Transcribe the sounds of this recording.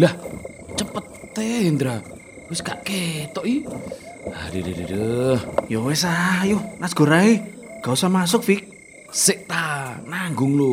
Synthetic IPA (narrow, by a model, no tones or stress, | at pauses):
lah | t͡ʃəpət̪ːeind̪ɾa | wɪskaʔket̪ɔʔi | adedədədəjowesaajuhnasɡ̥o̤ɾaeɡ̥ausamas̬ʊk̚fik̚ | sɪʔ̚t̪anaŋɡʊŋlu